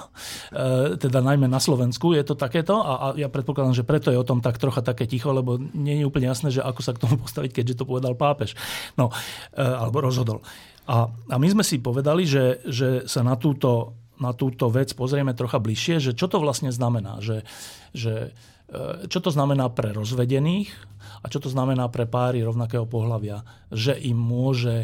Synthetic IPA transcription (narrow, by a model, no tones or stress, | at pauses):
t̪ɛd̪anajmɛnaslɔʋɛnskujɛt̪ɔt̪akɛːt̪ɔʔaʔajapɾɛt̪pɔklad̪aːmʒɛpɾɛt̪ɔjɛɔt̪ɔmt̪akt̪ɾɔxat̪akɛːcixɔlɛbɔɲɛjɛuːpl̩ɲɛjasnɛːʒɛʔakɔsakt̪ɔmupɔst̪aʋickɛɟʒɛt̪ɔpɔʋɛd̪alpaːpɛʃnɔ | alɛbɔɾɔzɦɔd̪ɔ̰l | ʔaamizmɛsipɔʋɛd̪aliʒɛʒɛsanat̪uːt̪ɔnat̪uːt̪ɔʋɛt͡spɔzɾɪɛmɛt̪ɾɔxabliʃɪɛʒɛt͡ʃɔt̪ɔʋlasɲɛznamɛna̰ːʒɛ | ʒɛ | t͡ʃɔt̪ɔznamɛnaːpɾɛɾɔzʋɛɟɛniːxat͡ʃɔt̪ɔznamɛnaːpɾɛpaːɾiɾɔʊnakɛːɦɔpɔɦlaʋɪa | ʒɛʔimːʊɔʒɛ